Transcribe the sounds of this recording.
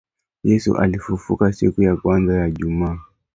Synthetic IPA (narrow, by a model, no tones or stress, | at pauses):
jɛsṵʔa̰lifufṵkasḭkujakwanzajaʄumaː